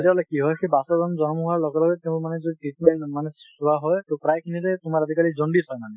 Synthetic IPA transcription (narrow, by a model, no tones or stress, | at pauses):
tiɔlakiɦɔjkebasɔzɔnzɔnɔmɦuaɹlɔɡɛlɔɡɛtɛʊ̃manɛzɔitit̚mɛnmanɛsubʱaɦɔjtopɹajkʰinitɛtʊmaɹadʱikalizondisɔjmanɛ